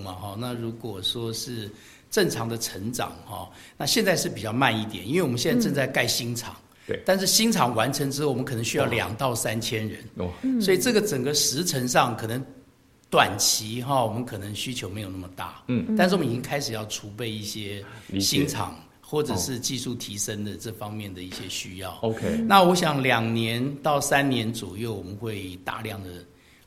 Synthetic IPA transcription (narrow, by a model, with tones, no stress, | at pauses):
mɐ˨xɔ˥˧na˥˩ɻu˧˥kwɔ˨˩ʂwɔ˥ʂɻ̩˥˩ | ʈ͡ʂə˥˩ŋʈ͡ʂʰɑ˧˥ŋd̪ə˨ʈ͡ʂʰə˧˥ŋʈ͡ʂɑ̰˨˩ŋxɔ̰˥˧na˥˧ɕjɛ˥˧nt͡sa˥˧ʂɻ̩˥˩pi˨˩t͡ɕjɑ˥˧ʊma˥˧ni˥˩t̪jɛ˨˩ni˥nwe˥˩wɔ˨˩ə˦nɕɛ˥˧nt͡sa˥˧ʈ͡ʂə˥˧t͡sa˥˧ɪka˥˩ɪɕi˥ŋʈ͡ʂʰɑ̰˨˩ŋ | t̪a˥˧nʂ̬ɻ̩˥˩ɕi˥ŋʈ͡ʂʰɑ˨˩ŋwa˧˦˥nʈ͡ʂʰə˧˥ŋʈ͡ʂɻ̩˥o˥˩wɔ˨˩ə˦˥kʰɤ˨˩nə˧˦ŋɕy˥jɑ˥˩ʊljɑ̰˨˩ŋt̪ɑ˥˩ʊsa˥nt͡ɕʰjɛ˥nɻə̰˧˦nswɔ˧˥i˨ʈ͡ʂɤ˥˩ɡə˩ʈ͡ʂə˨˩ŋɡə˦ʂɻ̩˧˥ʈ͡ʂʰə˧˥ŋʂɑ˥˩ŋkʰɤ˨˩nə˧˦ŋ | t̪wa˨˩nt͡ɕʰi˧˥xɔ˥˩wɔ˨˩mə˦nkʰɤ˨˩nə˧˦ŋɕy˥t͡ɕʰjo˧˥ʊme˧˥jo˨˩na˥˩mə˩t̪a̰˥˩t̪a˥˧ʂɻ̩˥˩wt͡ɕi˥ŋkʰa˥ɪʂɻ̩˨˩jɑ˥˩ʊʈ͡ʂʰu˧˥pe˥˧ɪi˥˩ɕjɛ˥ɕi˥ŋʈ͡ʂʰɑ̰˨˩ŋ | xwɔ˥˩ʈ͡ʂə˨˩ʂɻ̩˥˧t͡ɕi˥˧su˥˩t̪ʰi˧˥ʂə˥ŋd̪ə˨ʈ͡ʂɤ˥˩fɑ˥ŋmjɛ˥˩nd̪ə˩i˥˩ɕjɛ˦˥ɕy˥jɑ̰˥˩ʊo˧kʰna˥˨wɔ˧˥ɕ̬jɑ˨˩ŋljɑ˨˩ŋnjɛ˧˦˥nt̪ɑ˥˩ʊsa˦˥nnjɛ˧˥nt͡swɔ˨˩jo˥˩ʊwɔ˨˩mə˦nxwe˥˧ɪt̪a̰˥˧ljɑ˥˩ŋd̪ə˩